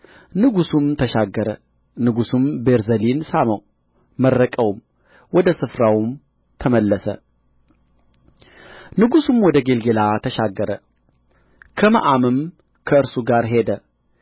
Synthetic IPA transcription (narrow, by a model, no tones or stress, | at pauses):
nɨɡusumt̪ʰəʃaɡːəɾə | nɨɡusumbe̞ɾzəlinsaməw | mərːəkʼəwm | wɔd̪əsɨfɾawm | t̪ʰəməlːəsə̰ | nɨɡusumwɔd̪əɡe̞lɡe̞lat̪ʰəʃaɡːəɾə | kʰəma̰ʔamɨm | kʰəɨɾsuɡaɾɦe̞d̪ə